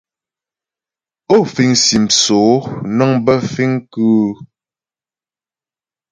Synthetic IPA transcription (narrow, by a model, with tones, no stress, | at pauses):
o˦˨fi˨ŋsi˨m̩soː˨˦nɔ˦ŋbə˦fi˦ŋ˦kʉ˦